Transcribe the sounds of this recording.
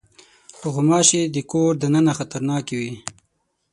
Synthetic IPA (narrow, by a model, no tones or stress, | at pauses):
ɣʊmɑːʃid̪ikoɾd̪ənənaxat̪aɾnɑːkiwi